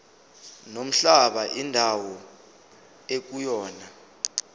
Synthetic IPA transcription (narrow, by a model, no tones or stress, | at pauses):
nom̩ɬaɓaʔindʱawɔ | ek̬ujɔːna